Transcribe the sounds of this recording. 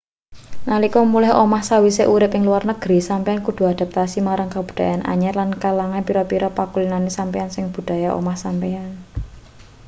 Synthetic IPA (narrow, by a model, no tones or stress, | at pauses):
nalikɔmulɛhomahsawiseʔuɾɪpɪŋluwarnəɡ̥ɾisampeankud̪̥ṳad̪̥a̤p̚t̪asimaɾaŋkab̥ṳ̥d̪̥a̤janʔa̰ɲɛrlankalaŋanpiɾɔpiɾɔpakulinanesampeansɪŋb̥ṳd̪̥a̤jaʔo̰mahsampean